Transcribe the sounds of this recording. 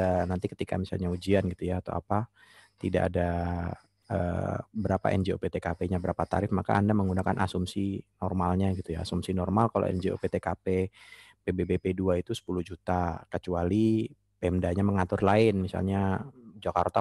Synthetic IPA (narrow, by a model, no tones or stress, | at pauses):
nant̪ikə̥t̪ika̰misa̰lɲaud͡ʒianɡit̪ujaːt̪a̰wa̰pa | t̪ida̰ʔa̰da | ə̰ːbəɾapa̰ʔɛ̰nd͡ʒeopet̪ekapeɲabəɾapat̪a̰ɾɪfmaka̰andaməŋɡunakanʔa̰sumsinɔrmalɲaɡit̪ujaːsumsinɔrmalkalo̰ɛ̰nd͡ʒeo̰pet̪ekape | pebebepeduait̪usə̥puluhd͡ʒut̪akət͡ʃuali | peɛmdaɲaməŋat̪ʊrlaɪnmisa̰lɲad͡ʒaka̰rt̪a